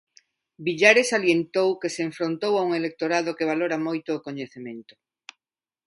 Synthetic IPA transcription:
biʎaɾesaljent̪owkeseːɱfɾont̪owauŋelek̚t̪oɾað̞okeβ̞aloɾamojt̪ʊːkoɲeθemẽnt̪ʊ̥

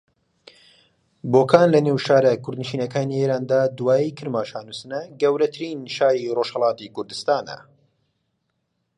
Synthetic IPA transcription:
boːkʰaːnlɐneːwʃaːɾɐkʰʊɾd̪nɨʃiːnɐkaːnieːɾaːnd̪aːd̪uwaːjikʰɨɾmaːʃaːnusɨnɐɡɐwɾɐt̪ʰɨɾiːnʃaːɾiroːʃhɐlˠɑːt̪ikʊɾd̪ɨst̪aːnɐ̰

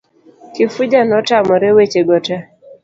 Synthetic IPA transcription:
kɪfud͡ʒanɔtamɔɾɛwet͡ʃeɡɔtɛ

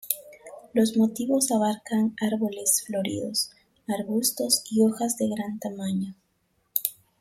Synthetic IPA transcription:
lo̞zmo̞t̪iβo̞saβaɾkaŋaɾβo̞le̞sflo̞ɾḭðo̞̰s | aɾβust̪o̞sio̞xazðe̞ɣɾant̪amaɲo

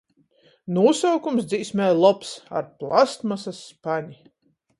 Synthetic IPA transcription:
nuːsawkumsd̪ziːsmʲɛjlˠɔpsa̰ɾplˠast̪masasːpaɲi

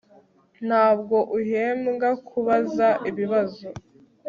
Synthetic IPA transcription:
n̥haːb̚ɡo̞ʔuɦeːmɡakʰuβazaʔiβiβazo

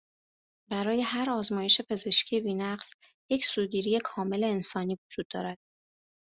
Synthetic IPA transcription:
bæɾɒːje̞hæɾɒːzmɒːje̞ʃe̞pʰe̞ze̞ʃcʰiebiːnæɢz̥ | je̞cʰsuːɟiːɾiːje̞kʰɒːme̞le̞ːnsɒːniːvod͡ʒuːd̪̚ːɒ̰ːɾæd̪̥̚

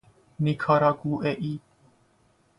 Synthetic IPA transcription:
nikʰaːɾaːkuːʔeːʔiː

